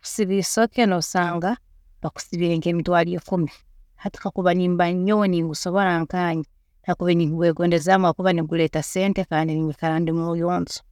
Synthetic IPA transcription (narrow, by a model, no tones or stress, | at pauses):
ku̥siβisokenoβusaːŋɡa | βaku̥siβiːɾeŋkeːmitwaːljeːkumi | hati̥kakuβaniːmbaɲowniːŋɡuso̞βo̞laŋkaːɲi | nakuβeniːŋɡuβweːɡo̞ːndezamakuβaniɡuleːtase̞ːntekaːndiniikaɾaːndimojoːnzo̥